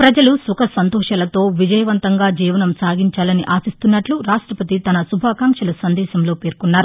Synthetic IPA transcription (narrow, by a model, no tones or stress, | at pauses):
pɾɐd͡ʒɐlusukɐsɐnt̪oːʂaːlɐt̪o̞ːʋid͡ʒɐjɐʋɐnt̪ɐŋɡaːd͡ʒiːʋɐnɐmsaːɡiɲt͡ʃaːlɐniʔaːsist̪unːɐʈluɾaːʂʈɾɐpɐt̪it̪ɐnɐsubʱaːkaːŋkʂɐlɐsɐnd̪ɛːʃɐmloːpe̞ːɾkunːaːɾu